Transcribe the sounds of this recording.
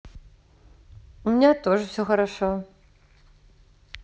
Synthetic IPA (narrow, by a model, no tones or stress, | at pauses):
umʲinʲat̪oʐɨwsʲoxɐɾaʂɔ